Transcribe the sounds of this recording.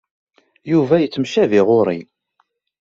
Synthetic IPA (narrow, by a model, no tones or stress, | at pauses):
juvæjət͡sːmʃæviʁoɾˤḭ